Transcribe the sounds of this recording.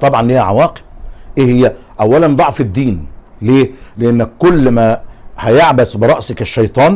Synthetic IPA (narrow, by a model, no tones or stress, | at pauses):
t̪ˤɑbʕɑnlhjæʕawɑːqe̥b̥̚ʔeːhɪjːæ | ʔæwːælænd̪ˤɑʕfɪd̪ːiːn | leːleʔenːækkːʊlːmæːhæjeʕbæsbɪɾˤɑʔsakɪʃːɑjt̪ˤɑːn